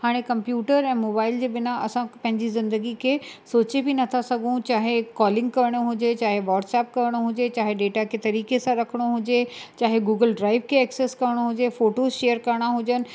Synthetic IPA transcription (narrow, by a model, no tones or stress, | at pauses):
haːɽ̃ekɐ̃mpjuːʈəɾɛ̃ːmoːbaːɪld͡ʑeːbɪnaɐsãpɐ̃ɦɪɲd͡ʑizɪ̃nd̪əɡikʰesoːt͡ɕebinɐt̪ʰasɐɡʱũt͡ɕaːɦekɔːlɪ̃ŋɡ̚kɐɾɪɽ̃oɦʊd͡ʑet͡ɕaːɦeʋɔːɾʈsɛːp̚kɐɾɪɽ̃oɦʊd͡ʑet͡ɕaːɦeɖeːʈakʰet̪ɐɾiːkesãɾɐkʰəɽ̃oɦʊ̃d͡ʑet͡ɕaːɦeɡuːɡəlɖɾaːɪʋkʰeɐkseːskɐɾɪɽ̃oɦʊd͡ʑefoːʈoːzʃeːəɾkɐɾɽ̃aɦʊd͡ʑənɪ̆